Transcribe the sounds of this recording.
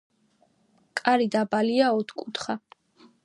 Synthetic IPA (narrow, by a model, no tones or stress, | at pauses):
kʼaɾid̪abaliaɔt̪ʰkʼut̪ʰχa